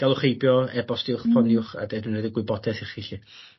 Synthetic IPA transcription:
ɡ̥alˠʊχejbjɔɛbɔsd̥ɪʊχpʰɔnnɪʊχa̰dedunrɛdiɡwɪbɔdɛθɪχiɬi

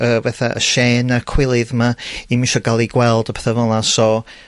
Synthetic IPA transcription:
əːvɛθaʔə̰ʃeːnakʰw̥ɪlˠɨðmaimɪnʃɔɡalˠiɡwɛlˠdɔpʰɛθavɔnasɔ

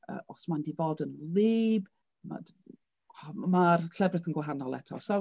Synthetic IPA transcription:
ə̰ʔɔsmandivoːdənlɪːb | ma̰d | martʰlɛbrɨθənɡwaɦanɔlˠɛ̰tʰɔsa

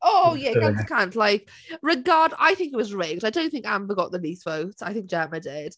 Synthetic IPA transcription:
oʊjæãnskʰãntlaɪk | ɹɪɡɑːda̰ɪθɪ̃ŋkɪt̚wɒzɹɛɪɡaɪdõʊ̃nθɪ̃ŋkã̰ɱfəɡɒʔðəniˑsfoʊsaɪθɪ̃ŋk̚ʒ̥ɛmədɪd̥

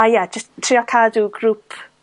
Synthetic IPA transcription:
ajɛd͡ʒəsttʰːriːɔkʰaːduɡɾupʰ

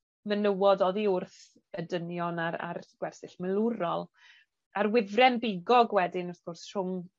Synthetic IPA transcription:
mənəwɔdɔðiʊrθ | ədənjɔnaɾa̰rɡ̥wɛrsɪɬməlˠuɾɔlˠ | arwɪðrɛnbɪɡɔɡwɛdɪnɔrθɡ̥ʊrsr̥ʊŋ

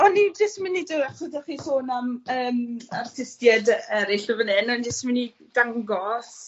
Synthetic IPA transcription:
ɔnːidɪsmɪnidɪaχədaχiːsoːnaməːmartʰɪstjɛdɛɾɪɬəvənɛnɔndɪsmɪni | d̥aŋɡɔs

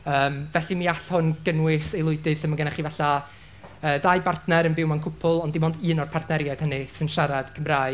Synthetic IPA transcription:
əːmvɛɬiniaɬhʊnɡ̥ənwɪselˠʊɨdɨθəmaŋɡənaχivaɬa | əːdajbartnɛɾənbɪwmankʰʊpʰʊlˠɔndɪmɔndɨːnɔrpʰartʰnɛɾjad̥hənɨsɨnʃaɾad̥kʰəmraːɨ

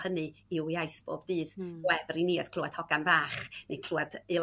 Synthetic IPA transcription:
hənɨɪwiajsb̥o̰ːbdɨːðwɛvriniːəd̥kʰluad̥hɔɡanvaːχnikʰl̥ˠuadɨ

